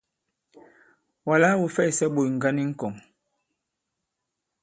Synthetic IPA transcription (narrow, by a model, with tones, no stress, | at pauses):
wa˨la˦wu˨fɛ˦˨sɛ˦ɓo˨jŋ̩˨ɡa˦ni˦ŋ̩˦kɔ˨ŋ